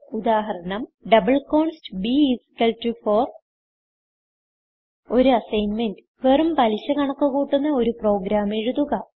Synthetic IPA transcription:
ud̪aːɦɐɾɐɳɐmɖɐbɐɭkoːɳstbiiskɐltufoːr | o̞ɾuɐsɐjnmendɨʋerumpɐliɕɐkɐɳɐkːuɣuːʈːunːɐo̞ɾupro̞ːɡɾaːmeɻuðuɣɐ

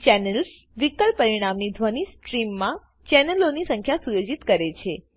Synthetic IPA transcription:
t͡ʃɛnels | ʋikəlppəɾiɽ̃amnid̪ʱʋənisʈɾimːã | t͡ʃɛnelonisə̃ŋkʰjasujod͡ʒit̪kəɾet͡ʃʰe

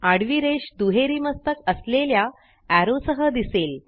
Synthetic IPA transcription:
aɽʋiɾeɕd̪uɦeɾiːməst̪əkəslelja | æɾosəɦəd̪isel

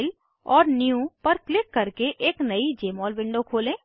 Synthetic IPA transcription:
l | ɔːɾniũpɐɾklɪkːɐɾkeʔeːknɐid͡ʒeːmɔːlbɪ̃ɳɖokʰoːlẽː

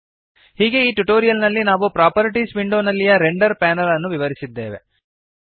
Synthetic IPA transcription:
hiːɡe̞iːʈuʈoːɾijɐlnɐlːinaːʋupɾaːpɐɾiʈisʋiɳɖoːnɐlːijɐɾeɳɖɐɾpɛːnɐlɐnːuʋiʋɐɾisid̪ːḛːʋe̞̰

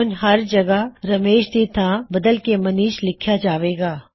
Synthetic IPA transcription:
ʊnɦɐɾd͡ʒɐɡəɾɐmeːʃd̪it̪ʰãbɐd̪əlkemɐniːʃlɪkʰjad͡ʒaːʋeːɡaː

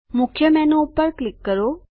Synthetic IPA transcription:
mʊkʰjəmɛnoupəɾklɪkːəɾo

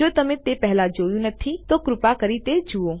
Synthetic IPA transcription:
d͡ʒot̪əmẽt̪epɛɦlad͡ʒojũnət̪ʰit̪okɾʊpakəɾit̪ed͡ʒuo

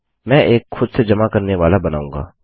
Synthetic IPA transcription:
mɛ̃ːʔeːkxʊd̪sed͡ʒɐmakəɾneʋaːlabəna̰ːũːŋɡa̰ː

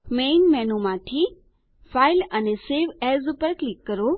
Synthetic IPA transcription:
meːnmɛ̃nomãʈʰi | fʰailəneseʋɛzupəɾklikːəɾo

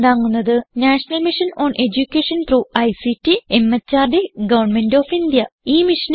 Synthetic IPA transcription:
d̪aːŋːunːɐðɨnaːʂɐnɐlmiʂɐnoːnʔe̞d͡ʑukʲːeʂɐnt̪ruːɐjsitːiemːɐt͡ɕːaːrd̪iɡɐʋɐrnme̞ndoːfind̪jɐiːmiʂɐn

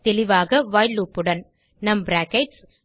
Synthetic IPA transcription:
t̪ɛlɪʋaːɣɐʋaːjluːpːɯɽɐn | nɐmbɾaːkɐʈs

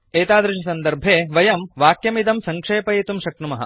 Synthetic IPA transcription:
eːt̪aːd̪ɾɐʃɐsɐnd̪ɐɾbʱeːʋɐjɐmʋaːkjɐmid̪ɐmsɐŋkʂeːpɐjet̪umʃɐknumɐɦɐ̰̆

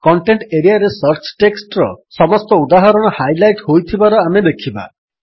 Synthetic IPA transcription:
kɔɳʈeɳʈeɾijaɾesɔɾt͡ʃʰʈeksʈɾɔsɔmɔst̪ɔud̪aɦaɾɔɽ̃ɔhajlajʈhojt̪ʰibaɾɔamed̪ekʰiba̰

